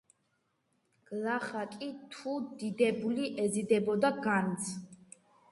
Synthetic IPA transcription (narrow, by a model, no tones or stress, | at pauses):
ɡ̥laχakʼit̪ʰud̪id̪ɛbuliʔɛzid̪ɛbɔd̪aɡant̪sʰ